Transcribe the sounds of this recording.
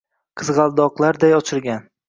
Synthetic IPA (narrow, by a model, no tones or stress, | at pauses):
qʰɨzʁɑlˠd̪ɒqlˠaɾd̪ajɒt͡ʃʰɪɾɡʲan